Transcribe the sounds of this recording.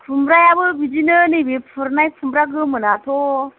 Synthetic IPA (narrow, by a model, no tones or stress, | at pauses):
pʰumbɾajabəbid͡ʒinənibepʰuɾnajpʰumbɾaɡəmənato